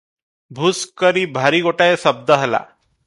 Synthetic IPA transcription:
bʱuskəɾiːbʱaɾiːɡoʈaesəb̚d̪əɦəla̰

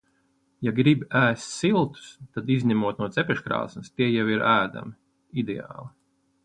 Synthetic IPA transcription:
jaɡɾibʲæːst̪ʲsilˠt̪u̥st̪ad̪izʲɲʲɛmuɔt̪̚nuɔt̪zɛpʲɛʃkɾɑ̰ːsnst̪iɛjawiɾæːd̪a̰mi | id̪ea̰ːlˠi

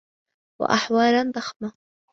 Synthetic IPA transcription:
wa̰ʔaħwɑːɾand̪ˤɑxma

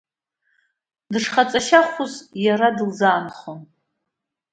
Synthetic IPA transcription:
dɨʂχat͡sʼaʃaχʷʊzjaɾadɨlzaːnχon

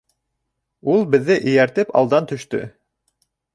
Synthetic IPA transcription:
ulˠbɘ̆ðːɘʔɘ̆jæɾt̪ɘpɑ̰lˠd̪ɑnt̪ɵ̆ʃt̪ɵ̰

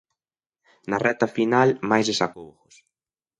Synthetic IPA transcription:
nɐrɛt̪ɐfinalmajzðesakowxʊs

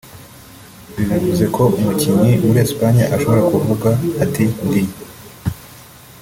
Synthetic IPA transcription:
βinavuze̞kʰo̞ʔumuciɲimuɾiespaɲjaʔaʃo̞βo̞ɾakuvuɡaːtiŋɡij

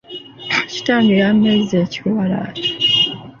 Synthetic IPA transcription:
ci̥taːŋɡiɾamezzeːciwala̰e̥

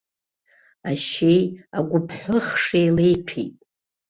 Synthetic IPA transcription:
aʃejaɡʷʊpʰħʷʊχʂejlejpʰḭtʼ

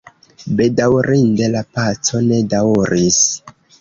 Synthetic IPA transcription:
be̞dawɾʔindelapat͡so̞ne̞dauɾʔis

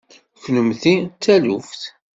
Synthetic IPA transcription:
çnəmθit͡sːælufθ

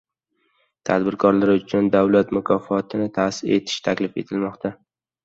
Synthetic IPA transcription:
t̪ʰad̪bɪɾkʰɒɾlaɾʊt͡ʃʰʊnd̪awlat̪mʊkʰɒfɒt̪ʰɪnɪt̪ʰasɪɾe̞t̪ʰɪ̥ʃt̪ʰakʲlɪfe̞̰t̪ʰɪlmɒqt̪ʰa

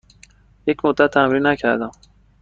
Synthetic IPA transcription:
jecʰmod̪ːæt̪ʰːæmɾinːæcʰæɾd̪æm

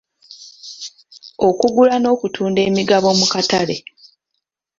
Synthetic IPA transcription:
o̞kuɡulano̞ːkutʰuːnde̞ːmiɡaβo̞mukatale̞

